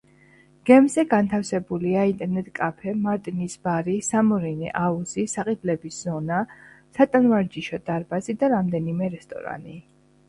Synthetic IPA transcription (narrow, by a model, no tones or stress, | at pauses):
ɡ̥ɛmzɛɡant̪ʰafsɛbuliaint̪ʼɛɾnɛt̪ʼkʼapʰɛmaɾt̪ʼnisb̥aɾisamɔɾinɛ̰ʔauzisaqʼid̪lɛbisz̥ɔnasat̪ʼanvaɾd͡ʒiʃɔd̪̥aɾbazid̪aɾamd̪ɛnimɛɾɛst̪ʼɔ̰ɾa̰ni